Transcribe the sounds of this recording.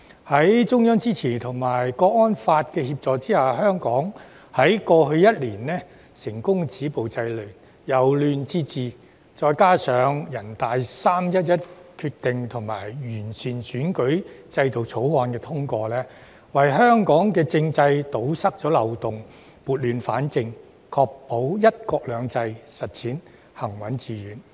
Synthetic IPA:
hɐ˨˥jt͡sʊ˥ŋjœː˥ŋt͡siː˥t͡sʰiː˨˩nt̪ʰʊ˨˩ŋmaː˨˩jkɔː˧k̚ŋɔː˥nfaː˧t̚kɛː˧hiː˧p̚t͡sɔː˨˧t͡siː˥haː˨˩ɦœː˥ŋkɔː˨˥ŋ | hɐ˨˥jkɔː˧hɵ˧ɥjɐ˥t̚liː˨˩nlɛː˥ | sɪ˨˩ŋkʊ˥ŋt͡siː˨˥po˨wt͡sɐ˧jlɵ˨˩ | jɐ˨˩wlyː˨˧nt͡siː˥t͡siː˨ | t͡sɔː˧jkaː˥sœː˨˧˥ŋjɐ˨˩nt̪aː˨jsaː˥mjɐ˥t̚jɐ˥t̚kʰyː˧k̚t̪ɪ˨ŋt̪ʰʊ˨˩ŋma̰ː˨˩jjyː˨˩nsiː˨˩nsyː˨˥nkɵ˨˥ɥt͡sɐ˧jt̪o˨wt͡sʰo˨˥whɔː˧nkɛː˧t̪ʰʊ˥ŋkɔː˧lɛː˥ | wɐ˨jhœː˥ŋkɔː˨˥ŋkɛː˧t͡sɪ˧ŋt͡sɐ˧jt̪o˨˥wsɐ˥k̚t͡ʃɔː˨˥lɐ˨wt̪ʊ˨˩ŋ | muː˨t̚lyː˨˧nfa̰ː˨˥nt͡sɪ˧ŋ | kʰɔː˧k̚po˨˥wjɐ˥t̚kɔː˧k̚lœː˨˧ŋt͡sɐ˧jsɐ˨t̚t͡sʰiː˨˥n | hɐ˨˩ŋwɐ˨˥nt͡siː˧jyː˨˥n

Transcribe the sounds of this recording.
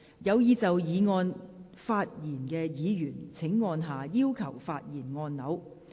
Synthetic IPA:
jɐ˨˧wjiː˨˧t͡sɐ˨wjiː˨˧ŋɔː˧n | faː˧t̚jiː˨˩nkɛː˧jiː˨˧jyː˨˩nt͡sʰɪ˨˥ŋːɔː˧nɦaː˨˩jiː˥wkʰɐ˨˩wfaː˧t̚jiː˨˩nŋɔː˧nːɐ˨˧˥w

